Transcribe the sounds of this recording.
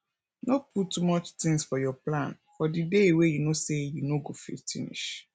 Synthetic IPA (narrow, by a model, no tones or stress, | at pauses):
noputtːumɔt͡ʃtɪ̃ŋsfɔjɔplãn | fɔdidewejunosejunoɡofḭfḭnḭʃ